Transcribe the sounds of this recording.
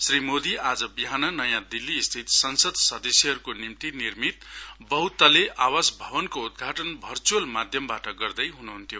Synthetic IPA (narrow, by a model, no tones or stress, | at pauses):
srimod̪iad͡zʌbiɦanʌnʌjãd̪ilːiːst̪ʰit̪sʌnsʌd̪ʱsʌd̪ʌsjʌɦʌɾukonimt̪inirmit̪̚bʌɦwt̪ʌleʔawasbʱʌbʌnkoud̪̚ɡʱaʈʌnbʱʌrt͡suʌlmad̪ʱjʌmbaʈʌɡʌrd̪ʌjɦunuɦunt̪ʰijo